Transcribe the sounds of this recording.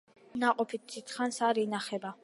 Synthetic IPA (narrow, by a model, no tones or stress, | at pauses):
naqʼɔpʰit̪̚ʰːit̪ʰχansaɾinaχɛba